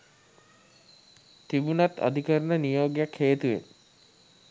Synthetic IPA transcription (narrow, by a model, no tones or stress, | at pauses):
t̪ibunat̪a̰d̪ʱikəɾnənijoːɡjakʰheːt̪uḛn